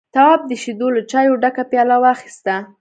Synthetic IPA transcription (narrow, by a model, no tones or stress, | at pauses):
t̪awɑb̚d̪əʃid̪olat͡ʃɑjoɖakapjɑlawɑxi̥st̪a